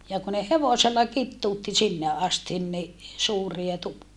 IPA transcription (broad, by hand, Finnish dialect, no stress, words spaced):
jɑ ku ne heʋoselːɑ kitːuːtːi sinːe ɑstin ni suːriɑ tukːie